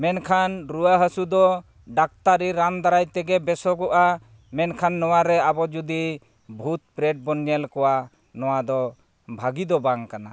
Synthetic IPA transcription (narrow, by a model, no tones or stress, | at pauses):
mɛnkʰanɾuwaɦəsud̪ɔ | ɖak̚t̪aɾiɾand̪aɾajt̪ɛɡɛbɛsɔɡɔʔa | mɛnkʰanːɔwaɾɛabɔd͡ʒud̪i | bʱut̪̚pɾɛɖ̚bɔnjɛlkɔwa | nɔwad̪ɔ | bʱaɡid̪ɔbaŋkana